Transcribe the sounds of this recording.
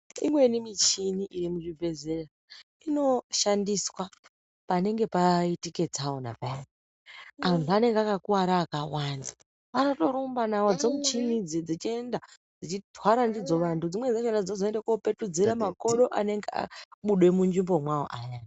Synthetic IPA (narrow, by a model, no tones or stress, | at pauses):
imwe̞nimit͡ʃiniʔiɾimuʐibʱe̞zera | ino̞ʃandiswa | pane̞ŋɡe̞paitike̞d͡zawona̰pan | antʰuane̞ŋɡeakakuwaɾaːkawaːna | ʋanoto̞ɾumbanawod͡zomut͡ʃinid͡zid͡zit͡ʃie̞nda | d͡zit͡ʃitwaɾandid͡zo̞ʋantʰud͡zimwe̞d͡zeʃendad͡zozoendekope̞tud͡ziɾamako̞ɗo̞ʔane̞ŋɡea̰ɓuɗwe̞mund͡ʒimbo̞mwawo̰ʔajaːna